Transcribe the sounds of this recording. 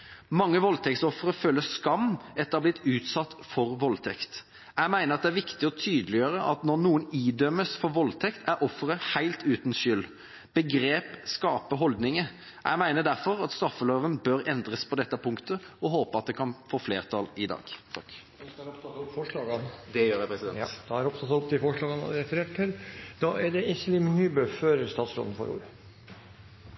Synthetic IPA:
mɑŋːəʋɔlt̪ʰɛkt̪sɔfːɾəføːləskɑmːɛt̪ːəɾɑblɪt̪ːʉːt̪sɑt̪ːfɔɾʋɔlt̪ʰɛkt̪ | æɪmæɪnəɑt̪̚d̪ɛæɾʋɪkt̪ɪɔt̪ʰyːd̪əlɪjøːɾəʔɑ̰t̪nɔnuːəniːd̪œməsfɔʋɔlt̪ʰɛkt̪ʰæɾʔɔfːəɾəhæɪlt̪ʉːt̪n̩ʃʏl | b̥əɡɾeːpskɑːpəɦɔld̪nɪŋə | ʔæɪmæɪnəd̪æɾfɔɾɑt̪st̪ɾɑfəløːʋənbøɾɛnd̪ɾəspʰɔd̪ɛt̪ːəpʰʊŋkt̪ə | ɔɦoːpəɑt̪̚d̪ɛkʰɑnfoːfleːʁt̪ʰɑlɪd̪ɑ̰ːɡ̥t̪ʰɑk̪ː | ɾɔpt̪ɑt̪pːfɔʂɭɑːɡɑnd̪ɛjøːɾjæɪpʰʁɛsɪd̪ɛnd̪̥ɑæɾɔpt̪ɑt̪ɔpt̪ɪfɔʂɭɑːɡən̰ɾɛfəɾeːʈəɾd̪ɑʔæɖɛʔɪslɪmnyːbøːføːɾəɾst̪ɑːt̪sɾɔ̰ln̩fɔ̰ɾṵːɾ

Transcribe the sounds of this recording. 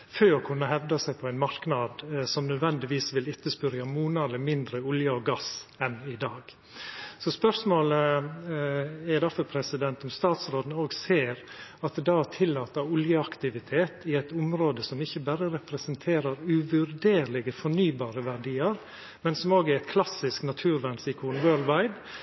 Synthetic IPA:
føːɾɔkʰʉnːəɦɛʋd̪ɑsæɪpʰɔæɪnmɑɾknɑd̪sɔmnœd̪ʋɛnd̪ɪʋiːsʋɪlɪt̪ːəspʏɾjɑmuːnɑləmɪnd̪ɾəʊljɑɔɡɑsɛnɪd̪ɑːɡ̥ | sɔspœɾʂmoːlə | ɛɾd̪ɑfɔɾpʰɾɛsɪd̪ɛnt̪ɔmst̪ɑːt̪sɾoːd̪noːɡseːɾɑt̪̚d̪ɑːæʈʰɪlːɑːt̪əʊljəɑkt̪ɪʋɪt̪ʰeːt̪ɪɛɪt̪ʊmɾoːd̪əsɔmɪçːəbæːɾəɾɛpɾɛsənt̪ʰeːɾəɾʉʋʉɾd̪eːɾlɪɡəfɔɳyːbɑːɾəʋæɖiːəɾ | mɛnsɔmoːɡæɾæɪt̪kʰlɑsɪsknɑt̪ʰʉːɾʋɛnsɪkʰuːnwøːlʋɑɪd̪

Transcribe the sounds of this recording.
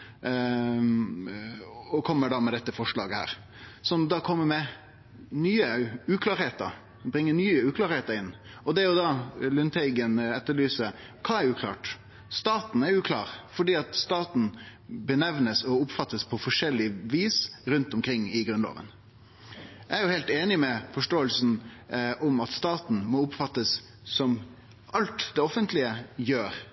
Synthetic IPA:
ɔkʰɔmːəɖɑːmɛd̪ɛt̪ːəfɔʂɭɑ̰ːɡəhæ̰ːɾ | sɔnd̪ɑːkʰɔmːəmɛ | nyːəʉːkʰlɑːɾheːt̪ə̰ɾ | bɾɪŋːənyːəʉːklɑːɾheːt̪əɾɪnː | ɔd̪ɛæɾjʊd̪ɑlʏnt̪ʰɛɪɡənɛt̪ːəɭyːsə | kʰɑːɛɾʉːkʰlɑ̰ːʈ | st̪ɑːt̪n̩ɛɾʉːkʰlɑ̰ːɾfɔɖiːɑt̪st̪ɑːt̪n̩bənɛʋnəsɔʊpfɑt̪ːəspʰɔfɔʂɛlːɪʋiːsɾʉnt̪ʊmkʰɾɪŋːɪɡɾʉnlɑ̰ːʋə̰n | æɾjʊhɛɪlt̪eːnɪmɛfɔʂʈoːəlsn̩ʔʊmɑt̪st̪ɑːt̪n̩mɔʊpfɑt̪ːəsː | ɔm | ʔɑlt̪d̪ɛɔfənt̪lɪəjøːɾ

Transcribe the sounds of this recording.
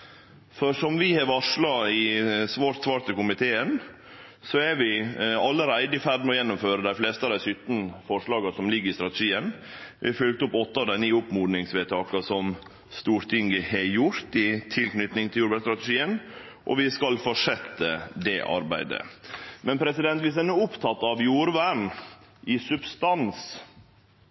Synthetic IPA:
fɔʂɔmʋɪhɑɾʋɑʂɭɑɪsʋɑːɾt̪sʋɑːɾt̪əkʊmɪt̪ʰeːən | sɔɛɾʋɪɑlːəɾæɪd̪ɪfæɾɖ̪mɛɔjɛnːʊmføːɾəd̪æɪfleːst̪əɑd̪æɪsyt̪n̩fɔʂɭɑːɡɑsɔmlɪɡːəɾɪst̪ɾɑt̪əʂiːənʋɪ̰hɑɾfʉlk̚t̪ʊpːɔt̪ːəɑːʋd̪æɪniːʊpmuːd̪nɪŋsʋeːt̪ʰɑːkɑsɔm | st̪uːɾt̪ʰɪŋɡəhɛjʊɾt̪ɪt̪ʰɪlknʏt̪nɪŋt̪ʰɪljuːɾʋæst̪ɾɑt̪ɛʂiːən | ʔɔ̰ʋɪskɑlfɔʂɛt̪ːəd̪ɛʔɑ̰ɾbæ̰ɪd̪ə̰mɛnpʰɾɛsɪd̪ɛnt̪ʋɪs̬d̪ɛnuːʊpt̪ʰɑt̪ːɑʋjuːɾʋæɳ | ʔɪsʉbst̪ɑns

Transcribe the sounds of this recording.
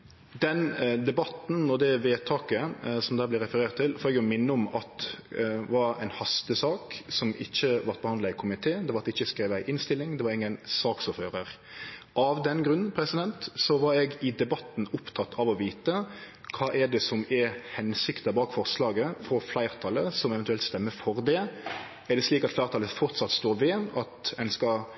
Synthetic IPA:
d̪ɛnd̪ɛbɑt̪n̩nɔd̪ɛʋeːt̪ʰɑːkəsɔmd̪æːblɪɾɛfəɾeːɾt̪ʰːɪlfɔɾɛɡjʊmɪnːəɔmɑt̪ | ʋɑɾæ̰ɪnhɑst̪əsɑːksɔmɪçːəʋɑɾt̪bəhɑnlɑɪkʰʊmɪt̪ʰeːd̪ɛʋɑɾt̪ɪçːəskɾeːʋæɪʔɪnst̪ɪlːɪŋd̪ɛʋɑɾɪŋːənsɑːksɔfhøːɾəɾ | ʔɑʋd̪ɛnɡɾʉnːn̩pʰɾɛsɪd̪ɛnt̪sɔʋɑɾɛɡɪd̪ɛbɑt̪n̩ʊpt̪ʰɑt̪ʰːɑʋɔʋiːt̪ə | kʰɑːʔɛɖɛsɔmɛɾhɛnsɪkt̪əbɑːkfɔɾslɑːɡəfɾɔflæɪɾt̪ʰɑləsɔmɛvɛnt̪ʉɛlt̪st̪ɛmːəfɔɾd̪ɛ | ɛɖ̪ɛsliːkɑt̪flæɪɾt̪ɑləfɔɾt̪sɑt̪st̪oːɾʋɛɑt̪ɛnskɑ

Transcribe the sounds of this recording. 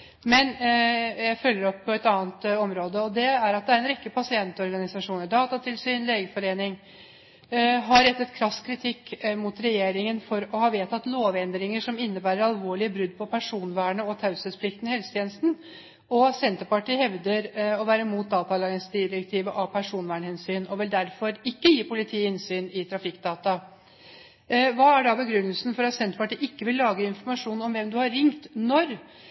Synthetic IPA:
mɛnjæɪfœlːəɾɔpʰːɔɛt̪ɑːnt̪ɔmɾoːd̪əɔd̪ɛæɾɑt̪̚d̪ɛæɾɛnɾɛkːəpʰɑsɪɛnt̪ɔɾɡɑnɪsɑʂuːnəɖɑːt̪ɑt̪ʰɪlsyːnleːɡəfɔɾeːnɪŋ | ɦɑɾɛt̪ːət̪kʰɾɑskʰɾɪt̪ʰɪkːmʊt̪ɾɛjeːɾɪŋənfɔɾɔhɑːʋeːt̪ʰɑt̪ːloːʋɛnd̪ɾɪŋəʂɔmɪnːəbæːɾəɾɑlʋoːɭɪəbɾʉd̪ːpʰɔpʰæʂuːnʋæːɳəɔt̪ʰɑʉsəspʰlɪkt̪nhɛlsə̥t̪ʰeːnəst̪n | ɔsɛnt̪əɾpɑʈiːhɛʋd̪əɾɔʋæːɾəmuːt̪̚d̪ɑːt̪ɑlɑɡənsd̪ɪɾək̚t̪ʰiːʋəʔɑpʰæʂuːnʋæːɳəhɛnsyːnɔʋɛld̪æɾfɔɾɪkːəjiːpʰʊlɪt̪ʰiːɪnsyːnɪt̪ʰɾɑfɪkːd̪ɑːt̪ɑ | ʋɑːæɖɑbəɡɾʉnːəlsn̩fɔɾɑt̪sɛnt̪əɾpɑʈiːʔɪkːəʋɪlːɑːɡəɪnfɔɾmɑʂuːnɔmʋɛmd̪ʉhɑɾːɪŋt̪nɔɾ

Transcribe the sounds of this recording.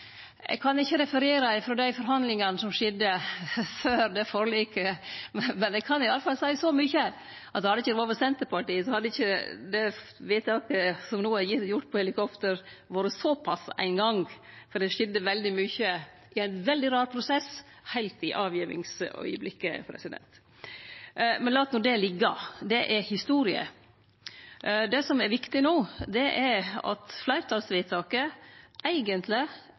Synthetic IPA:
ɛ̰ɡ̚kʰɑnɪçːəɾɛfəɾeːɾɑɪfɾoːd̪æɪfɔɾɦɑnd̪lɪŋɑnəsɔmʂɛd̪ːəføːɾd̪ɛfɔɾliːkə | mɛnɛɡkʰɑnɪɑləfɑlsæɪsɔmʏçə | ʔɑt̪hɑd̪əɪçəd̪oːʋəsɛnt̪əɾpɑʈiːəsɔhɑd̪əɪçəd̪ɛʋɪːt̪ɑːkəsɔmnuːəæɾjɪjʊʈːpʰɔhɛlɪkɔpt̪əɾʋɑːɾəsɔpʰɑsæ̰ɪnɡɑŋfɔɖɛʂɪd̪əʋɛld̪ɪmyːçə | ʔɪæɪnʋɛld̪ɪɾɑːɾpʰɾʊsɛs | hæɪlt̪ɪʔɑːʋjiːʋɪ̰ŋsœ̰ʏəblɪkːə̰pʰɾɛ̰sɪd̪ɛ̰nt̪ | mɛnlɑːt̪nuːd̪ɛlɪɡːəd̪ɛʔɛɾhɪst̪uːɾɪə̰ | d̪ɛsɔmɛɾʋɪkt̪ɪnoːd̪ɛʔɛɾɑ̰t̪flæɪɾt̪ʰɑlsʋiːt̪ʰɑːkəʔæɪɡənt̪lɪ

